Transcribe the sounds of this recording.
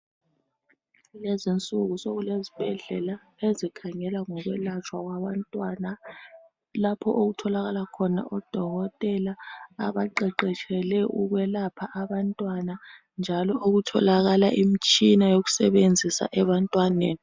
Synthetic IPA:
lezint͡sʼuɣusoɣulezib̥ʱɛɮɛla | ezikʰaŋɛlaŋɔɣwɛlat͡ʃʰʼwaɣwaβantʼwana | lapʰɔʔoɣutʰɔlaɣalakʰɔna̰ʔɔd̥ʱɔɣɔtʼɛlaːβaǃɛǃɛt͡ʃʰɛlɛʔuɣwɛlapʰaʔaβantʼwana | nd͡ʒʱalɔʔoɣutʰɔ̰laɣalaʔimit͡ʃʼinajoɣu̥sɛβend͡zʱisa̰ʔɛβantʼwaneːni

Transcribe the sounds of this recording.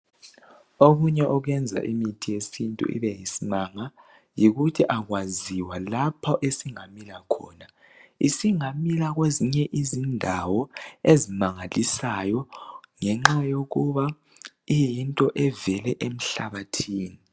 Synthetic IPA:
oɣuɲɛʔɔɣwɛnd͡zʱa̰ʔimitʰijesintʼṵʔḭβɛjisinaŋa | jiɣutʰiʔaɣwaziwalapʰɔʔesiŋamilakʰɔ̰ːna | isiŋamilaɣweziɲɛʔizindʱawɔezimaŋalisajɔŋɛŋ͡ǁajoɣuβa | ijintʼɔʔɛvɛlɛʔem̩ɬaβatʰiːni

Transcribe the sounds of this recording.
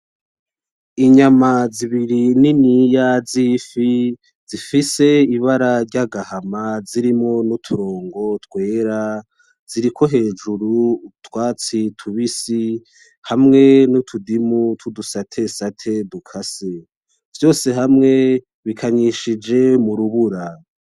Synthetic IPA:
iɲamaziβiɾininijazifi | z̥ifise̞iβaɾaɾɟaɡahamaziɾimŋo̞nutʰuɾo̞ːŋɡo̞twe̞ːɾa | z̥iɾiko̞ɦe̞ːd͡ʒuɾutwaːt͡sitʰuβisi | hamŋe̞nutʰudimutʰudusatʰe̞satʰe̞dukʰase | vjo̞ːse̞ɦamŋe̞ | βikʰaɲiʃid͡ʒe̞muɾuβuɾa

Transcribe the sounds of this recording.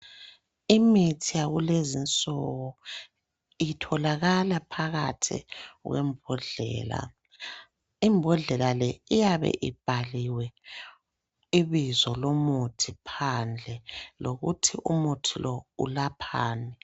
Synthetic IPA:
imitʰijaɣulezint͡sʼɔɣɔ | itʰɔlaɣalapʰaɣatʰḭɣwɛ̰mbʱɔɮɛ̰ːla̰ | imbʱɔɮɛlalɛijaβɛ̰ʔib̥ʱaliwɛ | iβizɔlomutʰipʰand͡ɮʱɛloɣutʰiʔumutʰilʔɔṵlapʰaːnɛ

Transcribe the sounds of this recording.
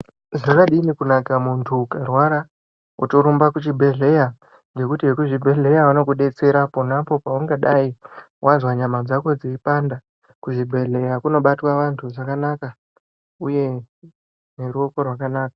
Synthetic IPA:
zakaɗinikunakamuntʰukarwaɾa | ṵtoɾumbakut͡ʃibʱe̞ɮe̞ja | nd͡ʒe̞kutiwekuʐibʱe̞ɮe̞jaʋano̞kuɗe̞t͡se̞ɾapo̞napo̞pauŋɡaɗai | wazwaɲamad͡zako̞d͡ziipanda | kuʐibʱe̞ɮe̞jakuno̞ɓatwaʋantʰuʐakanaka | uje̞ | ne̞ɾuo̞ko̞rwakanaːkḁ

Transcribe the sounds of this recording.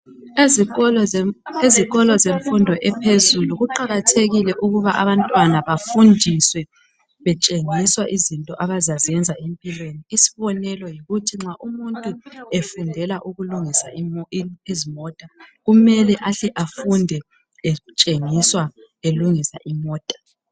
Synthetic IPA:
eziɣɔlɔzeɱfundʱɔʔɛpʰezuluɣuǃaɣatʰeɣilɛʔuɣuβaʔa̰βantʼwanaβafundʱiswɛ | βɛt͡ʃʼeŋiswaʔizintʼɔʔaβazazɛnd͡zʱaempʼilweniːsi̥βɔnɛlɔjiɣutʰiŋ͡ǁaʔumuntʼuefundʱɛlaʔuɣuluŋisa | izimɔːtʼaɣumɛlɛʔaɬɛʔafundʱɛ | ɛt͡ʃʼeŋiswa | eluŋisa̰ʔimɔːtʼḁ

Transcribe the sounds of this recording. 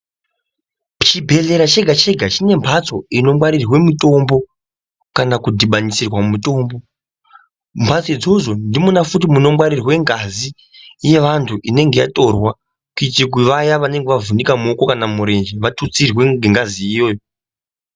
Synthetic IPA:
t͡ʃibʱe̞ɮe̞ɾat͡ʃe̞ɡʱat͡ʃe̞ɡʱat͡ʃine̞mbʱat͡so̞ino̞mwaɾirwe̞muto̞mbo̞ | kanakudʱiɓanisirwamuto̞mbo̞ | mbʱat͡soid͡zo̞ʐo̞ndimunafutimuno̞mwaɾirwe̞ŋɡazi | je̞ʋantʰuʔine̞ŋɡe̞ja̰to̞rwa | kuit͡ʃik̬iʋajaʋane̞ŋɡeʋavunikamoko̞kanamuɾe̞nd͡ʒiʋatʰut͡sirwe̞ɡeŋɡaziːjo̞ːjo

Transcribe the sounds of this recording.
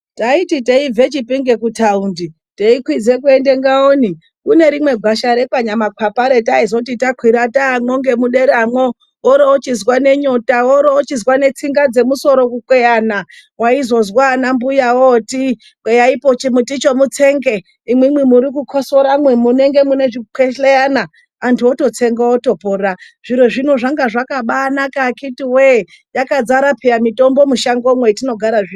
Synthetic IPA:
taititeivʱet͡ʃipiŋɡe̞kutaundi | teikwid͡ze̞k̬ue̞nde̞ŋɡaoːni | kune̞ɾimwe̞ɡʱaʃaɾe̞kaɲamakʰapaɾe̞taizo̞titakʰwiɾataːmwoŋɡe̞muɗe̞ɾamwo | oɾoot͡ʃizwane̞ɲo̞taoɾoot͡ʃizwane̞t͡siŋɡad͡ze̞muso̞ɾo̞kukwejana | waizo̞zwanambujawoti | kejaipo̞t͡ʃimutit͡ʃo̞mut͡se̞ŋɡe̞ | imwemwemuɾikukʰosoɾamwemune̞ŋɡe̞mune̞ʐikeɬejanaː | ntʰuoto̞t͡se̞ŋɡaoto̞pora | ʐ̥iɾeʐinoʐaŋɡaʐakaɓanakakitiwe | jakad͡zaɾapʰejamito̞mbo̞muʃaŋɡo̞mwetino̞ɡʱaɾaʐio

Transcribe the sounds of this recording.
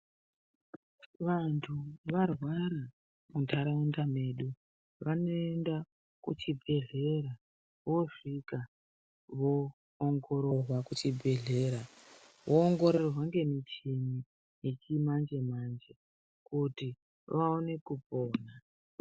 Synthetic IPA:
ʋantʰuʋarwaɾa | muntʰaɾaundame̞ːɗu | ʋano̞enda | kut͡ʃibʱe̞ɮe̞ɾa | ʋo̞ʂika | ʋo̞ː | ŋɡo̞ɾo̞rwakut͡ʃibʱe̞ɮe̞ːɾa | ʋʔoːŋɡo̞ɾerwaŋɡe̞mit͡ʃini | jet͡ʃimand͡ʒe̞mand͡ʒe̞ | kuti | ʋaone̞kuboːna

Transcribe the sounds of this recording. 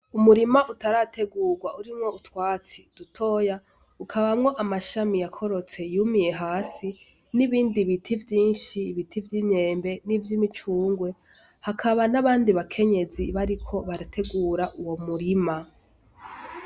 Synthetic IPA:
umuɾimaʔutaɾatʰeɡuːɾɡwaʔuɾimŋo̞utwaːt͡sid̥utʰo̞ja | ukʰaβamŋo̞ʔamaʃamijakʰo̞ɾo̞t͡se̞jumije̞ɦaːsi | niβiːndiβitʰivjiːnʃiːβitʰivjiːmɲe̞ːmbe̞nivjimit͡ʃuːŋɡwe̞ | hakʰaβanaβaːndiβakʰe̞ɲe̞ziβaɾikʰo̞βaɾatʰe̞ɡuːɾaʔuwo̞muɾima

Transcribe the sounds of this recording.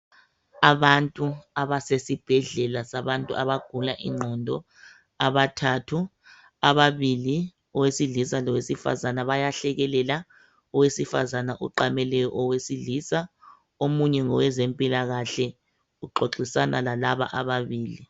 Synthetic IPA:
aβantʼuaβasesib̥ʱɛɮɛlasaβantʼṵʔaβaɡ̥ʱulaʔḭŋ͡ǃʱɔndʱɔ | aβatʰatʰu | aβaβili | ɔwesiɮisalɔwesifa̰zanaβajaɬɛɣɛlɛla | ɔwesifa̰zanaʔuǃamɛlɛjɔʔɔwesiɮisa | omuɲɛŋɔwɛzempʼilaɣaɬɛ | uǃoǁisanʔalalaβa̰ʔaβaβiːli

